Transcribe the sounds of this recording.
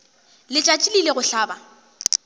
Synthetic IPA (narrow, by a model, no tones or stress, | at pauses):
lɪt͡ʃʼat͡ʃʼilileɣʊɬaːba